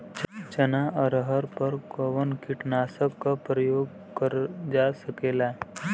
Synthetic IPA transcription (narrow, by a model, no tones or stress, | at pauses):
t͡ʃənaʔəɾəɦəɾpəɾkoʋənkiʈnasəkkapɾəjoɡ | kəɾd͡ʒasəkela